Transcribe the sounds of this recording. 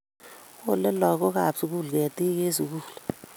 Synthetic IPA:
o˦˨lɛ˦lɔ˨k̬ɔ˦ka˨psu˨k̬u˦˨lu˨kɛ˨ti˦ke˦su˨k̬uː˨lu

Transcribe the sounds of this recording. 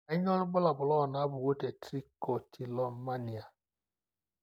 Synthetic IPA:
a˨˦ɲ˦ɔ˦ɾʊ˦ɡ͡bʊ˦la˨bʊ˨lɔ˦˨na˨˦bʊ˨wo˦te˨tɾi˦ko˨tʰi˨lɔ˨˦ma˦ni˨a˨

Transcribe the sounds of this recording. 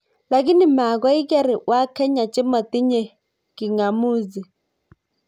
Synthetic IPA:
la˨k̬i˦ni˨ma˨k̬wa˦i˦ka˦ɾi˨wa˦kʰɛ˦ɲa˨t͡ʃɪ˦mɔ˨t̪i˦ɲɛ˦˨ | ki˨ŋa˨muː˦zi˨

